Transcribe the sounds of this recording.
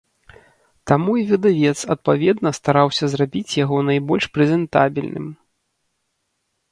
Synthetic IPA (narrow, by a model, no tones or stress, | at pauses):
t̪amuivʲid̪avʲɛt̪sɐt̪̚pavʲɛd̪nɐst̪aɾawsʲɐzrabʲit͡sʲjaɣɔnajbɔlʲʂpɾɛzʲɛnt̪a̰bʲilʲnɨ̰m